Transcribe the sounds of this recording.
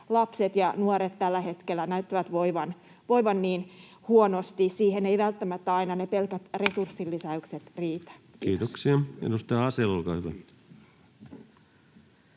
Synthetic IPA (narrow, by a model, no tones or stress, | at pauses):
lɑpset̪jɑnuoɾet̪t̪ːælːæhe̞t̪kelːˑænæyt̪ːiʋæt̪ʋoiʋɑn | ʋoiʋɑnniːn | huonost̪isiːheneiʋælt̪ːæmæt̪ːæɑinɑnepelkæt̪resursːilːisæykset̪riːt̪æ̥kiːt̪oksiɑḛdust̪ɑjɑɑselolkɑ̰ːhyʋæ̰